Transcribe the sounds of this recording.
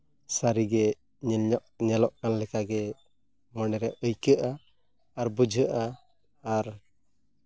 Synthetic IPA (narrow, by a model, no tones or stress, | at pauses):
saɾiɡɛ | ɲɛlɲɔʔɲɛlɔʔkanlɛkaɡɛ | mənɛɾɛʔʔəjkəʔaː | ɾbud͡ʒʱəʔa | aɾ